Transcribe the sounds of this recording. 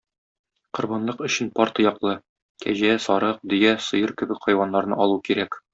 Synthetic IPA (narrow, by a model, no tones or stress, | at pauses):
qŏɾbɑnlˠɤqɵ̆ɕɘnpɒɾt̪ɤjɒqlˠɤ | kæ̰ʑæsɒɾɤq̚d̪ɵ̆jæsɤ̆jɤɾkɘ̆bɘkqɒjwɑnːɑɾnɤ̰ʔɒlˠukiɾæk